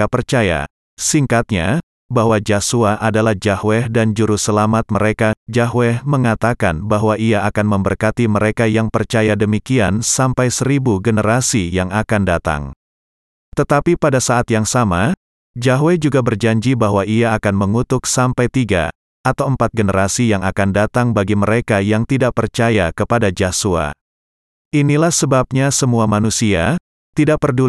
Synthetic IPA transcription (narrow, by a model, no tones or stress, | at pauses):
apərt͡ʃaja̰ | siŋkat̪̚ɲa̰ | baɦwad͡ʒasuaʔadalahd͡ʒahwɛhdand͡ʒuɾusəlamat̪̚məɾekad͡ʒaɦwɛhməŋat̪akanbaɦwaʔiaːkanməmbərkat̪iməɾekajaŋpərt͡ʃajadəmikiansampajsəɾibuɡənəɾasijaŋakandat̪a̰ŋ | t̪ət̪apipadasaːt̪jaŋsama | d͡ʒaɦwed͡ʒuɡabərd͡ʒaɲd͡ʒibaɦwaʔiaːkanməŋut̪ʊksampajt̪iɡa̰ | at̪awəmpat̪̚ɡənəɾasijaŋakandat̪aŋbaɡiməɾekajaŋt̪idaʔpərt͡ʃajakəpadad͡ʒasua̰ | ʔinilahsəbap̚ɲasəmuamanusia | t̪idaʔ̚pərdu